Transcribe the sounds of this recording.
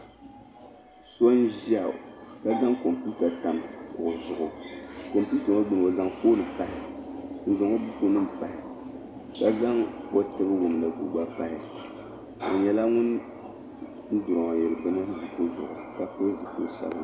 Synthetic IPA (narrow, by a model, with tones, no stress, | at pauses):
so˦n˦ʒa˦˨ka˦za˦ŋko˨mpu˦ta˨ta˨mkʊ˨ʔʊ˨zʊ˨ʔʊ˨ko˨mpu˦ta˨o˦du˨m˨o˨za˦ŋfo˦nɨ˨pa˨hɪ˨n̩˨zʊ˨ŋo˦bu˦ko˦nɨ˦m̩˨pa˨hɪ˨ | ka˦za˦ŋwo˦tɨ˦bɨ˦wo˨mla˨ɡṵ˨ɡ͡ba˦pa˦hɪ˨ | o̰˨ɲɛ˦la˦ŋʊ˦n˦ | n̩˦dʊ˨ɾɔ˨jɛ˨ɾɨ˨bɨ˦nɨ˦bu˦ko˦zʊ̰˨ʔʊ̰˨ka˦fɨ˦zɨ˨po˦sɛ̰˦bɨ˦